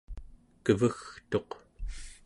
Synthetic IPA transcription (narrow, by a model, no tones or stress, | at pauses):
kəvəxt̪o̞q